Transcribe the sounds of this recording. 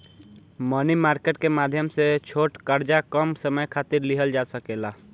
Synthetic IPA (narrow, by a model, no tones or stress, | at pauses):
mənimaːɾkeʈkemaːd̪ʱjəmset͡ʃʰoːʈkəɾd͡ʒakəmsəməjkʰat̪iɾliɦəld͡ʒasəkela